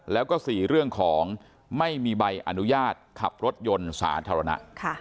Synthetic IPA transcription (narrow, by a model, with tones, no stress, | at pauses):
lɛː˦˥wkɔː˥˩siː˨˩ɾɯ˥˩əŋkʰɔː˩˦ŋ | ma˥˩jmiː˧ba˧jʔa̰˧nu˦˥jaː˥˩t̪̚kʰa̰˨˩p̚ɾo˦˥t̪̚jo˧nsa̰ː˩˦t̪ʰaː˧ɾa˧na̰˦˥ʔkʰa˥˩